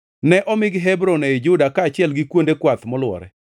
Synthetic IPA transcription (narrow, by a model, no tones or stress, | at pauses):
nɛʔɔmɪɡɦɛbɾonɛɪd͡ʒʊdakaːt͡ʃɪɛlɡɪkwondekwat̪mɔlwɔ̰ɾɛ̰